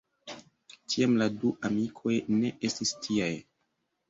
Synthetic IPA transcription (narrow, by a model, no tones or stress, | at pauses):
kʰiamladuamikʰo̞jne̞ʔe̞stistʰiaj